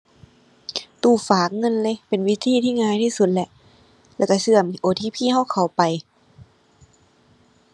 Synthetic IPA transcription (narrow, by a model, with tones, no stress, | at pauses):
t̪uː˧˩faː˨˩k̚ŋɤ˧˥˨nlɤː˧˥˨pe˨nwi˦˧˥t̪ʰiː˧˥˨t̪ʰiː˥˨ŋaː˧˨jt̪ʰiː˧˥˨su˧t̪̚lɛ˧ʔ | lɛː˧˩ka˧˩sɯ˧˩əmʔoː˨˩t̪ʰiː˧˥˨pʰiː˥˨ha˧˥˩wkʰa˨˩wpa˨j